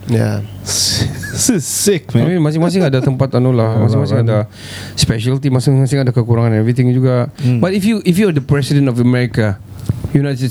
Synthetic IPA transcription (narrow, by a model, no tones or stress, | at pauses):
ja̰ | ssisɪk̚amĩmasɪ̃ŋmas̬ɪŋadat̪əmpat̪anolahmasɪ̃ŋmasɪ̃ŋada | spɛʃəlt̪imasɪŋmasɪ̃ŋadakəkuɾaŋãnɛvɹit̪ɪ̃ŋd͡ʒuɡabatifjuʔifjuadəpɹɛsidə̃ntɔfəmɛɹika | junattɛ